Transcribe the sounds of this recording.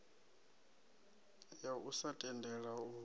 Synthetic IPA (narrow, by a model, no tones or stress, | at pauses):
jaʔusatʼɛndʱɛɺau